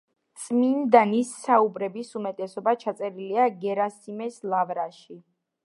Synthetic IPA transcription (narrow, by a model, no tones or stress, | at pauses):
t̪sʼmind̪anisːaubɾɛbisumɛt̪ʼɛsɔbat͡ʃʰat̪sʼɛɾiliaɡɛɾasimɛslˠavɾaʃi